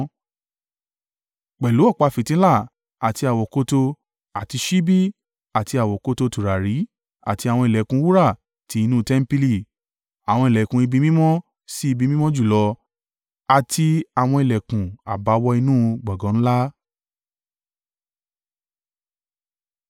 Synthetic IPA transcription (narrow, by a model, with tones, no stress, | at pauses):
k͡pɛ˨lu˨˦ɔ˦˨k͡pa˨˧fi˨tĩ˨˦la˦˨ | a˨ti˧a˨wɔ˨ko˧to˧ | a˨ti˧ʃi˦bi˦ | a˨ti˧a˨wɔ˨ko˧to˧tu˨ɾa˨ɾi˨˦ | a̰˨ti˧a˨wɔ̃˧i˨lɛ˨kũ˧˦wu˦ɾa˦˨ | ti˨˦i˧nũ˦˧tɛ˦m̩˦pi˦li˦˧˨ | a˨w̃ɔ̃˧i˨lɛ˨kũ˨i˧bi˧mĩ˦mɔ̃˦ | si˦i˧bi˧mĩ˦mɔ̃˦d͡ʒu˦˨lɔ˧ | a˨ti˧a˨w̃ɔ̃˧i˨lɛ˨kũ˨a̰˨ba˨˦wɔ˧˦i˧nũː˦ɡ͡bɔ˨ɡɔ̃˨˦ñ̩˦la˦